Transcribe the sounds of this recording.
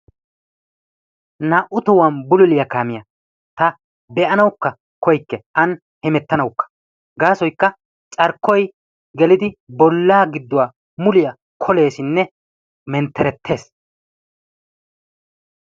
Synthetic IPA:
naʔʊt̪ɔwɐnbʊlʊlɪjɐkaːmɪjɐ | t̪ɐ | bɛʔɐnɐwkːɐ | kɔjkːɛʔɐn | hɛmɛt̪ːɐnɐwkːɐ̥ | ɡaːsɔjkːɐ | t͡ʃʼɐɾkːɔj | ɡɛlɪd̪ɪbɔlːaːɡɪd̪ːʊwaː | mʊlɪjɐ | kʰɔle̞ːsɪnːɛ | mɛnt̪ːɛɾɛt̪ʰːe̞ːs

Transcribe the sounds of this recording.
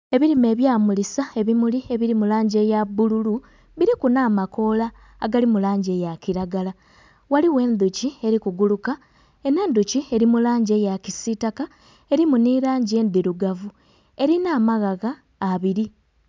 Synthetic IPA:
e̞βiɾime̞ːβjaːmulisae̞βimulie̞βiɾimulaːɲɟe̞jabululu | βiɾikunaːmako̞laː | ɡalimulaːɲɟe̞ːjaciɾaɡala | waliwe̞ːnd̪ucie̞ɾikuɡuluka | e̞ne̞ːnd̪ucie̞ɾimulaːɲɟe̞jacisitaka | e̞ɾimuniɾaːɲɟe̞ːndiɾuɡavu | e̞ɾinaːmaɣaɣaː | βiɾi

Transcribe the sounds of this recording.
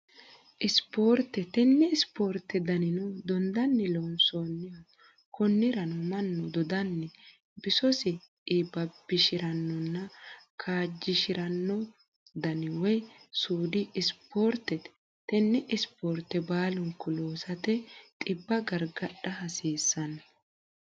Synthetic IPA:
ʔɪspoːɾt̪ɛt̪ɛnːɛɪspoːɾt̪ːɛd̪ɐnɪnʊd̪ɔnd̪ɐnːɛlonsoːnːɪja | kʰɔnːɪɾɐnʊmɐnːɔd̪ɔd̪ɐnːɛ | bɪsɔsɪ | ɪbɐb̥ɪʃɪɾɐnːɔnːɐkʰaːd͡ʒːɪʃɪɾɐnːɔ | d̪ɐnɪwɔjsuːd̪ɪɪspoːɾt̪ːɛt̪ | t̪ːɛnːɛʔɪspoːɾt̪ɛbaːlʊŋkːɔloːsɐt̪ɛt̪ʼɪbːɐɡɐɾɡɐɗɐhɐsiːsːɐnɐ

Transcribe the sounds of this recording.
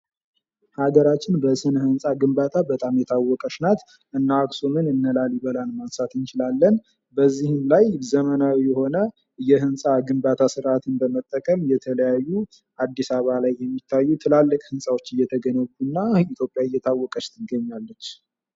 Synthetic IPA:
haɡəɾat͡ʃːɪnbəsɨnəhɨnsʼaɡɨmbat̪ʰabət̪ʼamjɛt̪ʰawːɔkʼəʃnat̪ | ʔɨnːaksomɨnɨnːəlaliβəlanmansat̪ʰɨnt͡ʃɪlalːən | bəzːihɨnlajzəmənawijɛho̞nə | ɨjːɛɦɨnsʼaɡɨmbat̪ʰasɨɾʔat̪ʰɨnbəmət̪ʼːəkʼəmjɛt̪ʰələjajːu | ʔad̪ːisaβalajːɛmːit̪ʰːajːut̪ʰɨlalːɨkʼhɨnsʼawo̞t͡ʃːɨjːɛt̪ʰəɡənəkːunːait̪ʰjo̞pʼːjaɨjːɛt̪ʰawːɔkʼəʃt̪ʰɨɡəɲːalːət͡ʃː

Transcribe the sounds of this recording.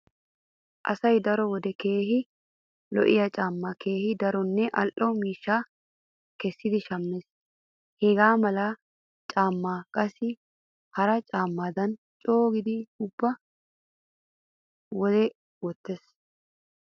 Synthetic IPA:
ʔɐ̰sɐjd̪ɐɾɔwɔd̪ɛke̞ːɦɪ | lɔ̰ʔɪ̰jɐt͡ʃʼaːmːaːkʰe̞ːhɪd̪ɐɾɔnːɛʔɐlʔɔmiːʃːaː | kɛsːɪd̪ɪʃɐmːes | heɡaːmɐla | t͡ʃʼaːmːaːkʼɐsɪ | hɐɾɐt͡ʃʼaːmːaːd̪ɐn | t͡ʃʼoːɡɪd̪ɪʊbːɐ | wɔd̪ɛ | wɔt̪ːes

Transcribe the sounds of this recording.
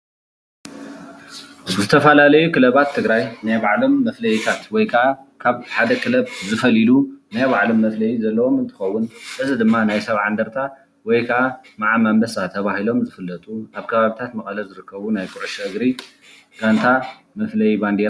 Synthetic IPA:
zɨt̪ʰɐfɐlalɐjukʰɨlɐβat̪ʰːɨɡɾajnajbaʕlo̞mːɐflɐjit̪ʰat̪wɔjkʰɐʔakʰaβħad̪ɐkʰɨlɐβzɨfɐlilunajbaʕlo̞mːɐflɐjizɐlːɐwo̞mɨnt̪ʰɨ̥xɐwːʊnɨzɨd̪ɨmːanajsɐβʕand̪ɐɾt̪ʰa | wɔjkʰɐʔamaʕamambɐsat̪ʰɐβahilo̞mzɨfɨlːɐt̪ʼuaβkʰɐβaβit̪ʰat̪mɐkʼɐlɐzɨɾɨkːɐβunajkʰʼuɾɐʃɨɡɾi | ɡ̥ant̪ʰa | mɐflɐjiband̪eɾ

